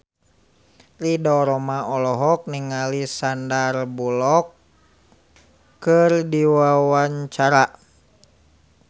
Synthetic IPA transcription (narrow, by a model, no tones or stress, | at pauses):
ridɔɾɔmaʔɔlɔɦɔk̚niŋalisandarbulɔk | ɨrdiwawaɲt͡ʃaɾa